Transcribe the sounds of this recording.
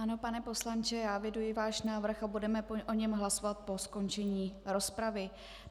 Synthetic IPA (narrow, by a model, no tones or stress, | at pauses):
ano̞panɛpo̞slant͡ʃɛjaːvjɛdujɪvaːʃnaːvr̩xabudɛmɛpoʔo̞ɲɛmɦlasovat̪̚po̞sko̞nt͡ʃɛɲiːɾo̞spɾavɪ